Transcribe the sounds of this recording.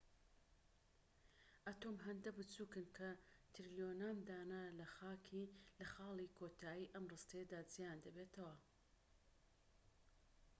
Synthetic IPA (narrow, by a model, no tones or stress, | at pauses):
ʔat̪oːmɦɐnd̪ɐbɨt͡suːkɨnkʰɐt̪ɾilijonaːmd̪aːnalɐxaːkʰilɐxɑːlˠikʰot̪ʰaːjiːʔɐmrɨst̪ɐjɐd̪aːd͡zijaːnd̪ɐbet̪ʰɐwɐ